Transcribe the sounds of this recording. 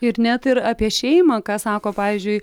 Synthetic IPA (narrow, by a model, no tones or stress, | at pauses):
ɪɾnʲɛt̪ɪɾɑːpʲiɛʃʲɛɪmɑkɑːsɑːkoːpɑːʋʲizʲd͡ʒʲʊɪ